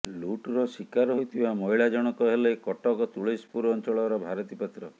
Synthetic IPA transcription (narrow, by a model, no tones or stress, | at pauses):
luʈɾɔsikaɾɔɦojt̪ʰibamɔɦiɭad͡ʒɔɽ̃ɔkɔɦelekɔʈɔkɔt̪uɭispuɾɔnt͡ʃɔɭɔɾɔbʱaɾɔt̪ipat̪ɾɔ